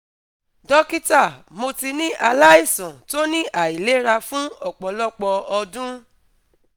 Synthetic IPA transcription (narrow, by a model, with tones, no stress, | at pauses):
dɔ˦ki˦ta˦˨mo˧ti˧nĩ˦ʔa˧la˦i˦˨sɔ̃˨to˦nĩ˦ʔa˨i˨le˨˦ɾa˧fũ˦ɔ˦˨k͡pɔ˨lɔ˦˨k͡pɔ˧ɔ˧dũ˦